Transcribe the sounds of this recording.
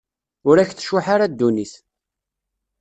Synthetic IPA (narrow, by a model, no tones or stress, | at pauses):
ʊɾæçθə̥ʃʊħaɾad̪ːuniθ